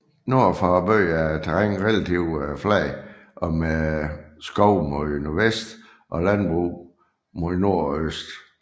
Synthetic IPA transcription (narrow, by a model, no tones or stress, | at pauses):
no̝ɐ̰fɑːb̥øːɑt͡sʰeʁaŋ̰ʁɛlæt͡sʰiʊ̰flɛɪʔɒ̽mesɡ̥ɒʊ̰moðˠnoɐʋesd̥ | ʔɒ̽lænb̥ʁuː | moðˠno̝ɐ̰øsd̥